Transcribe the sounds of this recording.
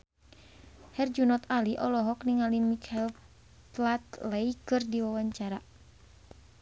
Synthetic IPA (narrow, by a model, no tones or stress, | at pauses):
hɛrd͡ʒunɔt̪aliʔɔlɔɦɔkniŋalimikʰail | plat̪lɛikɨrdiwawaɲt͡ʃaɾa